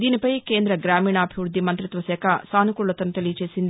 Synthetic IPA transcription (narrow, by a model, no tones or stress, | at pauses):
d̪iːnipɐjke̞ːnd̪ɾɐɡɾaːmiːɳɐːbʱiʋɾud̪ʱːimɐnt̪ɾit̪ʋɐsɛːkʰɐsaːnukuɭːɐt̪ɐnut̪ɐlijt͡ʃe̞ːsind̪i